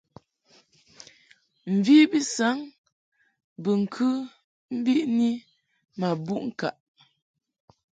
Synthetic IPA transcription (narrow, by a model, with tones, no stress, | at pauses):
m̩˨vi˦bi˦sa˨˦ŋ | bə˨ŋ̩˨kʰɨ˦ | m̩˦bi˦ʔni˦ | ma˨bu˦ʔŋ̩˨ka̰˨ʔ